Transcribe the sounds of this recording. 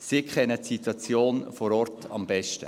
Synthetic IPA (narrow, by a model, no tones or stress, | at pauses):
sikχɛnətsitwɑt͡sjoːnfɔɾɔɾtɑ̰mbɛʃtə̰